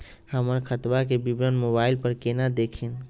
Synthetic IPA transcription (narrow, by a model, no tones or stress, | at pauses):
həməɾkʰət̪bakebibɾənmobailpəɾkenad̪ekʰin